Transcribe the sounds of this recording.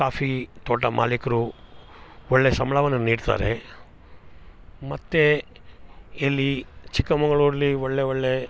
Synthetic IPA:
kaːfʰit̪oːʈɐmʔa̰ːlikɐɾu | oɭːesɐmɭɐʋɐnːɐniːɖt̪a̰ːɾḛ | mɐt̪ːe | elːit͡ʃikːɐmɐɡɐɭuɾlioɭːeoɭːe

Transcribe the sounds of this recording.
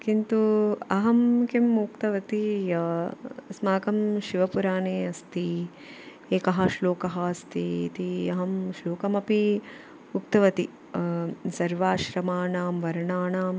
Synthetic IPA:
kint̪uɐɦɐmkimːukt̪ɐʋɐt̪i | smaːkɐmʃiʋɐpuɾaːneːɐst̪i | eːkɐɦɐʃloːkɐɦɐɐst̪ḭːt̪iɐɦɐmʃloːkɐmɐpi | uk̚t̪ɐʋɐt̪i | sɐɾʋaːʃɾɐmaːɳaːmʋɐɾɳaːɳaːm

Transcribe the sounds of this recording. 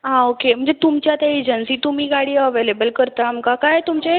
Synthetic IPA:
ɦãokem̤əɳd͡zet̪umt͡ɕjat̪aed͡ʑənsiːt̪um̤iːɡaɽiːəʋelebəlkəɾt̪aməkakajt̪umt͡ɕe

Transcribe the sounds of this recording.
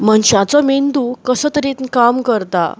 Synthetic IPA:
məɳɕãt͡sɔmend̪ukəsəːt̪əɾiːt̪nkamkəɾt̪a̰

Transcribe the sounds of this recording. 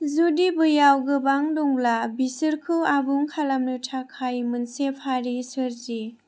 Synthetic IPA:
zudibɯjawɡɯbaŋdɔŋlabisɯɾkʰɯabuŋkʰalamnutʰakʰajmɯnsepʰaɾisɯɾzi

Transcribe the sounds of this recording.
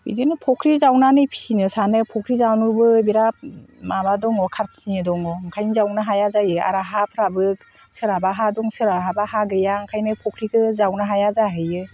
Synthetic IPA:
bḭdɯnɯpʰɔkʰɾizawnanɯjpʰi̥sinɯsanɯpʰɔkʰɾizawnɯbɯbiɾap̚mabadɔŋɔkʰaɾsnɯdɔŋɔŋkʰajnɯzawnaɦajazajɯa̰ɾaɦapʰɯɾabɯk̚ | sɯɾabaɦadɔŋsɯɾaɦabahaɡɯjaŋkʰajnɯpʰɔkʰɾiɡɯzawnaɦajazaɦɯjɯ

